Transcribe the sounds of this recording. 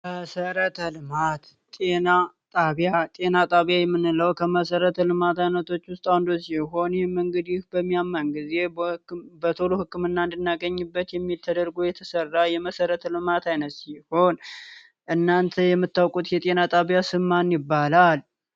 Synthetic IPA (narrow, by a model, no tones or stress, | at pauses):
məsəɾət̪ʰəlɨmat̪ | t̪ʼe̞nat̪ʼaβjat̪ʼe̞nat̪ʼaβjajɛmːɨnːɨləwkʰəməsəɾət̪ʰəlɨmat̪ajnət̪ʰo̞t͡ʃːwʊst̪ʼawnd̪osiɦo̞njɛməŋɡəd̪jɪhbəmːijamːanɡize̞bhɨkːmbət̪ʰolohɨkːɨmɨnːaɨnd̪ɨnːaɡəɲːɨbːət̪jɛmːilt̪ʰəd̪əɾɡujɛt̪ʰəsərːajɛməsəɾət̪ʰəlɨmat̪ʰajnət̪siho̞n | ʔɨnːant̪ʰəjɛmːɨt̪ːawkʼut̪jɛt̪ʼe̞nat̪ʼaβjasɨmːanjɪbːalal